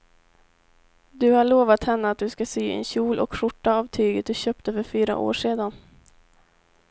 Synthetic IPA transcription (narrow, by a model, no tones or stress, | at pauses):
d̪ɵhaɭoːvat̪hɛnːəat̪̚d̪ɵskasyːɛ̰nɕuːlʔɔ̰kɧʊʈːaavt̪ʰyːɡət̪̚d̪ɵɕœːp̚t̪əfœɾfyːɾa̰ʔo̰ːʂeːd̪an